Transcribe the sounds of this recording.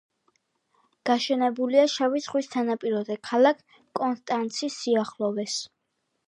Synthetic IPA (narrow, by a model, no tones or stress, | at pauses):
ɡ̥aʃɛnɛbuliaʃavit̪sʰχwist̪ʰanapʼiɾɔd̪ɛkʰalˠakʰ | kʼɔnst̪ʼant̪sʰisːiaχlˠɔvɛs